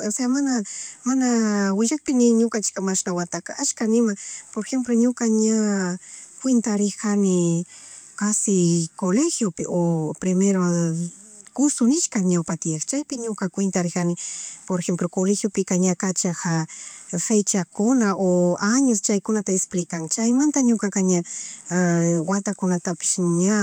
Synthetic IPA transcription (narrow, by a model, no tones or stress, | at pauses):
oseamanamanawɪʒakpɪnɪɲokant͡ʃɪ̥kamaʃnawat̪akaʔat͡ʃkanɪmapoɾxemploɲʊkaɲa | kwent̪aɾɪkanɪ | kasɪkolexjopɪʔopɾɪmeɾo | kʊsʊnɪʃkaŋɲawpat̪ɪekt͡ʃajpɪɲʊkakwɪnt̪aɾɪkanɪpoɾexemplokolexjopɪkaɲakat͡ʃahafejt͡ʃakʊnaʔoaɲʊst͡ʃajkʊnat̪aesplɪkaŋt͡ʃajmant̪aɲʊkakaɲa | wat̪akʊnat̪apɪ̥ʃɲa